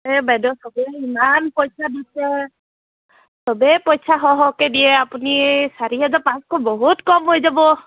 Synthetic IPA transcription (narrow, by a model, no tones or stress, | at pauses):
ɛbɛdɔsɔbɛimanpɔjsadisɛ | sɔbɛpɔjsaɦɔɦɔkediɛapunisaɹiɦazɔpãskɔbɔɦutkɔmɦojzabɔ